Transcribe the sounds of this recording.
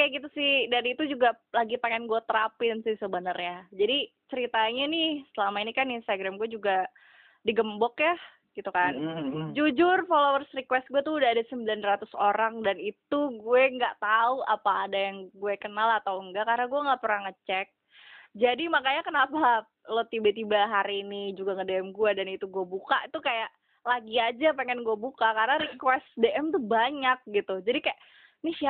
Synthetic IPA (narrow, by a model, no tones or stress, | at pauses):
kaɡit̪usɪhdaɾit̪ud͡ʒuɡalaɡipaŋanɡuɛt̪əɾapɪnsɪhsəbənərɲad͡ʒadi | t͡ʃəɾit̪aɲanɪhsəlamainikaninst̪aɡɾamɡuɛd͡ʒuɡa | diɡəmbɔkja | ɡ̥it̪ukand͡ʒud͡ʒʊrfolowərsrikwɛst̪̚ɡuɛt̪uudaɦadasəmbilanrat̪ʊsoɾaŋdanit̪uɡuɛŋɡaʔt̪auapaːdajaŋɡuɛkənalat̪awəŋɡakarnaɡuɛŋɡaʔpəɾaŋət͡ʃɛk̚ | d͡ʒadimakajakənapa | lɔt̪ibat̪ibaɦaɾiːnid͡ʒuɡaŋədeɛmɡuɛdanit̪uɡuɛbuka̰ʔit̪ukajaʔ | laɡiad͡ʒapeŋɛnɡuɛbukakarnaɾikwɛst̪deʔɛmt̪uhbaɲak̚ɡit̪ud͡ʒadikajaʔ | nɪsia